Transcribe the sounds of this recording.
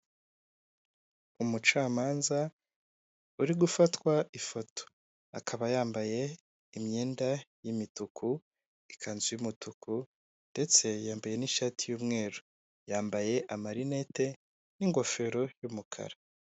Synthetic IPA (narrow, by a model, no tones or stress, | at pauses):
umut͡ʃaːmaːnza | uɾiɡufatwaʔifo̞tʰo̥ | akʰaβajaːmbaje̞ | imɲe̞ːndajimitukʰu | ikʰaːnzimutuku | nde̞t͡se̞jaːmbaje̞niʃatijuːmŋe̞ːɾu | jaːmbaje̞ʔamaɾinete̞ | niŋɡo̞fe̞ɾo̞jumukʰa̰ɾa